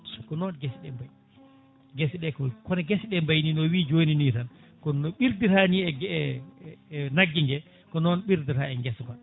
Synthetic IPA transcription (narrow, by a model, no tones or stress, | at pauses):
kɔnɔnɡɛsɗɛmbaj | ɡɛsɗɛkɔkɔnɛɡɛsɗɛmbajninɔwiːd͡ʒoːninitan | kɔnɔɓiɾdiɾaniɛɡɛ | naɡːiŋɡɛ | kɔnɔnɓiɾdiɾaɛŋɡɛsban